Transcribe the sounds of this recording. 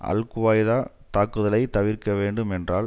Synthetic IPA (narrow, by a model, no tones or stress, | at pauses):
ʔɐ̰lkɯʋaːjðaː | t̪aːkːɯðɐlɐɪt̪ɐʋɪrkɐʋeːɳɖɯmɛndraːl